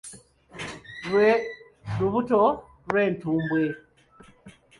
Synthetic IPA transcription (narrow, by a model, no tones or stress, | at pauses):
ɾuβuto | ɾwe̞ːntuːmbwe